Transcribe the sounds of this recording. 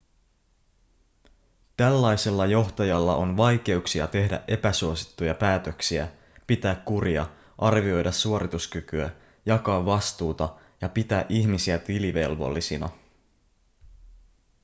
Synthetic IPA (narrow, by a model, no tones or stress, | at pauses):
t̪ælːɑjse̞lːɑjo̞ht̪ɑjɑlːɑ̰ʔo̞nʋɑjk̟e̞uksiɑt̪e̞hdæ̰ʔʔe̞pæsuo̞si̥t̪ːujɑpæːt̪ø̞ksiæ̰ | pit̪æːkkuɾiɑ | ʔɑrʋio̞jdɑsːuo̞ɾit̪uskykyæ | jɑkɑːʋːɑst̪uːt̪ɑ | jɑpit̪æːʔiçmisiæt̪iliʋe̞̰lʋo̰lːisinɑ̰